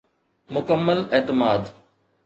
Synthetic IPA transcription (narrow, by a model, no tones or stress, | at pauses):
mʊkəmːəleːt̪ɪmaːd̪